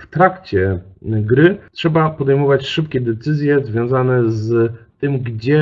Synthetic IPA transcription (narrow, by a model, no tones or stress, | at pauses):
ft̪ɾakt͡ɕɛɡɾɘtʂɛbapɔd̪ɛjmɔvat͡ɕʂɘpkʲɛd̪ɛt̪sɘzʲjɛzvʲjɔ̃w̃zanɛzt̪ɘmɡd͡ʑɛ